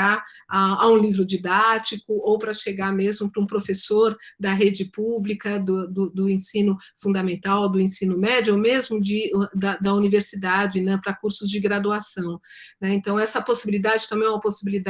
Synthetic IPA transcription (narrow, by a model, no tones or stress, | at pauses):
aaaũlivɾʊd͡ʒid̪at͡ʃikʊowpɾɐʃeɡaɾmezmʊpɾɐũpɾofesoɾd̪ɐɦed͡ʒɪpublikɐd̪ʊd̪ʊd̪ʊẽsĩnʊ | fũnd̪ɐmẽnt̪awd̪ʊẽsĩnʊmɛd͡ʒʊomezmʊd͡ʒɪd̪ɐd̪ɐuniveɾsid̪ad͡ʒɪnɛpɾɐkuɾsʊzd͡ʒɪɡɾad̪uasɐ̃w̃ | nɛẽnt̪ɐ̃w̃ɛsɐposibilid̪ad͡ʒɪt̪ɐ̃mẽj̃ɛumɐposibilid̪a